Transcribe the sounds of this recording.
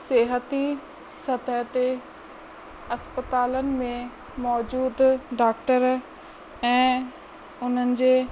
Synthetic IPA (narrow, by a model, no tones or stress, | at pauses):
seːɦət̪i | sɐt̪əɦət̪e | ɐspət̪aːlənɪ̆mẽ | mɔːd͡ʑuːd̪ɖaːk̚ʈəɾ | ɛ̃ː | ʊn̤ənɪ̆d͡ʑeː